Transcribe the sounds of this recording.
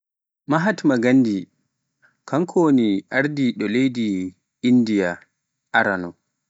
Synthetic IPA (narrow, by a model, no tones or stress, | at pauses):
maɦatmaɡanːdi | kʰankʰoniʔaɾdiɗɔlejdi | indija | ʔaɾanɔ